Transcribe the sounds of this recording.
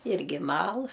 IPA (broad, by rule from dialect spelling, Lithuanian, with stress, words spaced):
ˈɪrʲɡʲɪ ˈmɐlˠ